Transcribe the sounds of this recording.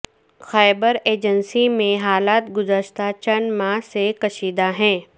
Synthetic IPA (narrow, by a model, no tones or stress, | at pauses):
xaːɪbəɾeːd͡ʒənsimẽɦaːlaːt̪ɡʊzəʃt̪at͡ʃɐnmãːɦsekɐʃiːd̪aɦɛ̃ː